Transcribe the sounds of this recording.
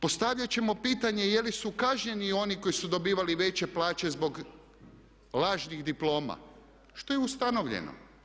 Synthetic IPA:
po̞st̪aʋʎat͡ɕe̞mo̞piːt̪aɲejelisukaʒɲe̞nio̞niko̞jisud̪o̞biːʋaliʋe̞t͡ɕe̞plaːt͡ɕe̞zbo̞ɡ | laːʒniɣd̪iplˠo̞ːma̰ | ʃt̪o̞jeust̪ano̞ʋʎḛno̰

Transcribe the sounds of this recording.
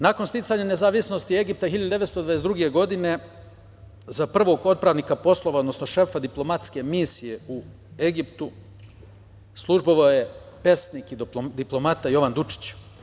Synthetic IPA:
nakonst̪it̪saɲanezaːʋisno̞st̪ie̞ɡip̚t̪axiʎad̪ud̪eʋest̪od̪vajesd̪ɾuɡe̞ɡo̞d̪ine̞ | zapr̩ʋo̞ɡo̞t̪̚pɾaːʋniːkapo̞slˠoʋaod̪nosnoʃe̞fad̪iplˠo̞mat̪ske̞misije̞u | e̞ɡipt̪u | slˠuʒboʋaoje̞ | pe̞st̪niːkid̪iplˠo̞mat̪ajo̞ʋand̪ut͡ʃi̥t͡ɕ

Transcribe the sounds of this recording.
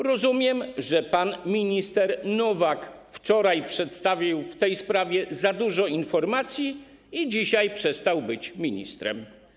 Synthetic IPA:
ɾɔzumʲjɛmʐɛpanmʲiɲist̪ɛɾnɔvak | ft͡ʂɔɾajpʂɛt̪st̪avʲiwft̪ɛjspɾavʲjɛzad̪uʐɔinfɔɾmat̪sʲji | id͡ʑiɕajpʂɛst̪awbɘt͡ɕmʲiɲḭst̪ɾɛ̰m

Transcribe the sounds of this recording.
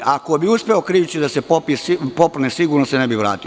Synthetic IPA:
ako̞biuspeokɾiːʋt͡ɕid̪asepopispopnesiɡuːɾnosenebiʋɾa̰ːt̪io

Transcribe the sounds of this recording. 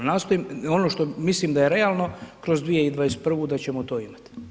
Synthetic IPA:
naːst̪oimo̞noʃt̪omislimd̪aje̞ɾe̞aːlˠno̞kɾo̞zd̪ʋie̞id̪vʋajest̪̚pr̩ʋud̪at͡ɕe̞mot̪o̞ːimat̪

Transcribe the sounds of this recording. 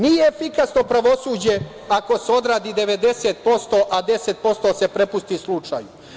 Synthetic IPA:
nijeːfikasno̞pɾaʋo̞suːd͡ʑe̞ | ako̞seo̞d̪ɾaːd̪iːd̪e̞ʋe̞d̪e̞set̪̚po̞st̪oːʔad̪e̞set̪̚po̞st̪o̞ːse̞pɾe̞pust̪islˠut͡ʃa̰ːju

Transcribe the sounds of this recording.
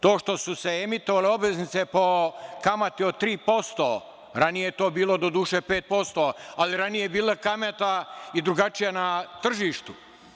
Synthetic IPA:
t̪o̞ːʃt̪o̞suseemit̪oʋaleo̞bʋeznit̪sepo̞kamat̪iot̪ɾiːpo̞st̪o̰ː | ɾanijejet̪o̞ːbiːlˠo̞d̪od̪uːʃeːpeːt̪̚po̞st̪oːaliɾanijeebiːlakamet̪aid̪ɾuɡat͡ʃijanat̪r̩ʒiːʃt̪u

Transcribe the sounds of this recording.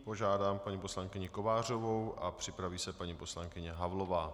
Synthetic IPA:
po̞ʒaːdaːmpaɲipo̞slaŋkɪɲɪko̞vaːr̝o̞vo̞wʔapr̥ɪpɾaviːsɛpaɲipo̞slaŋkɪɲɛɦavlo̞vaː

